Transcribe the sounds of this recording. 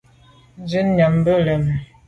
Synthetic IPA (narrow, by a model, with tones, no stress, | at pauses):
zi˦n˦ɲa˨mbə˦lə˨m˨